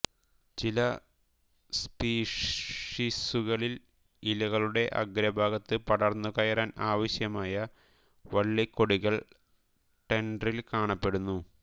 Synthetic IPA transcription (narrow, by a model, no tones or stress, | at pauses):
t͡ɕilɐ | spiːʂʂisuɣɐɭil | ilɐɣɐɭuɽe̞ʔɐ̰ɡɾɐbʱaːɡɐt̪ːɨpɐɽɐrnːukɐjɐɾaːnaːʋɐɕjɐmaːjɐ | ʋɐɭːikːo̞ɽiɣɐɭ | ʈe̞ɳɖɐrilkaːɳɐpːe̞ɽunːu